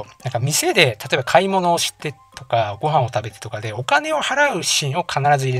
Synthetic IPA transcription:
nãŋkamʲise̞d̪e̞t̪ʰat̪o̞e̞bakʰaimo̞no̞ːɕi̥t̪ːe̞t̪o̞kaɡo̞ɦãɰ̃o̞t̪abe̞t̪e̥t̪o̞kad̪e̞o̞kane̞o̞haɾaɯ̟ɕĩɰ̃o̞kʰanaɾazɨiɾe

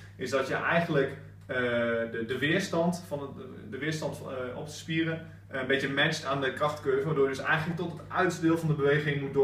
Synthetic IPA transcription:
ɪsdɔtjəʔɛjɣəndlək | əədəʋɪəɹstɑntfɑn | dəʋɪəɹstɑntɔ̰p̚tə̥spirə | ənbɪtjəmɛt͡ʃtaːndəkrɑxtkøːvəʋaːdoːjədɵsɛ̰jɣənələk̚tɔtətœɥtzdɪːlˠvɔndəbəʋejɣɪŋmutdo

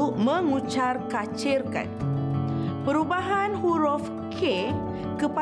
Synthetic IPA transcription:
mə̃ŋut͡ʃarkat͡ʃirka̰n | pəɾubaɦanhuɾɔf | kʰe | kəpa

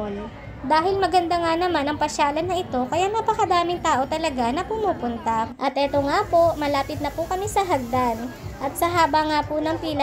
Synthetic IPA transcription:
n | d̪aːɦɪlmɐɡɐnd̪aŋanɐmanɐŋpɐʃaːlɐnːɐʔɪt̪o̞kɐjaʔnaːpɐkɐd̪aːmɪŋt̪aːʔo̞t̪ɐlɐɡanɐpʊmuːpʊnt̪ɐʔɐt̪ʔɛt̪oŋapo̞mɐlaːpɪt̪̚nɐpʊkɐmisɐɦɐɡ̚d̪anʔɐt̪̚sɐɦaːbɐŋapʊnɐŋpiːnɐ

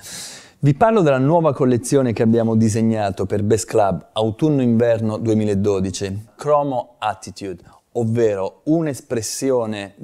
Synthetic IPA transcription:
viparlod̪elːanwɔːvakolːet̪sːjoːnekeabːjaːmod̪izeɲːaːt̪operbɛsklabawt̪unːoiɱvɛrnod̪uemiːlaed̪ːoːd̪it͡ʃikɾɔːmoat̪ːit̪jud̪ | ovːeːɾounespɾesːjoːne

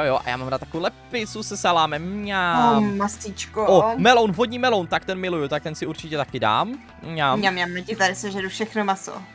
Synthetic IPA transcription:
ojoʔa̰jaːmaːmɾat̪ːakowlɛpɪsusɛsɛlaːmɛmɲammastit͡ʃkoomɛlonvɦod̪ɲimɛlont̪ak̚t̪ɛnmɪlujut̪ak̚t̪ɛnsɪuɾt͡ʃɪcɛt̪akɪda̰ːm | ɲaːmɲɲamɲamlɛcɪt̪aɾɪsɛʒɛdufʃɛxnomaso̰

